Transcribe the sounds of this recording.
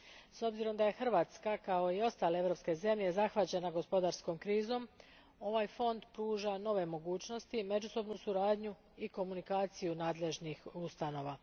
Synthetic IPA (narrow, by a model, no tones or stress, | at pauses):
so̞bziɾo̞md̪aje̞xr̩ʋaːt̪skakao̞io̞st̪aːleeʋɾo̞pske̞ze̞mʎe̞zaxʋat͡ɕe̞naɡo̞spo̞d̪aɾsko̞mkɾiːzo̞m | o̞ʋaːjfo̞nd̪pɾuːʒano̞ʋe̞mo̞ɡuːt͡ɕno̞st̪ime̞d͡ʑuso̞bnusuɾaːd̪ɲu | iko̞munikaːt̪sijunaːd̪le̞ʒnixust̪ano̞ːʋa